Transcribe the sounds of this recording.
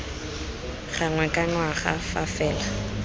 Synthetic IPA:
χaŋwɛkʼaŋwaχa̰fafɛːla

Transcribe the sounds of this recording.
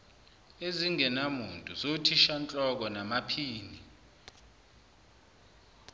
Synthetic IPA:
eziŋɛnamuntʼuzotʰiʃant͡ɬʼɔk̬ɔnamapʰiːni

